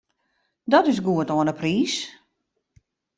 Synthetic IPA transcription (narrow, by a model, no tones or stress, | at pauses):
dɔtɪsɡuətoənəpriːs